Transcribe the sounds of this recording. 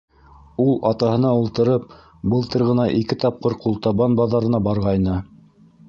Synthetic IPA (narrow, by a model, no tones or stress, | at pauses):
ulˠɑt̪ɑhɤ̆nɑulˠt̪ɤ̆ɾɤp̚ | bɤlˠt̪ɤɾʁɤ̆nɑʔikɘt̪ɑp̚qɤɾqulˠt̪ɑβɑnbɑðɑɾɤ̆nɑbɑɾʁɑjnɤ